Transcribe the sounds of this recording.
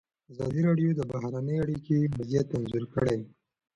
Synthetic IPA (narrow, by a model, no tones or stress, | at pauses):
azɑ̰d̪iɾɑɖjod̪əbahɾanəjaɽikemazjat̪ːanzuɾkəɽe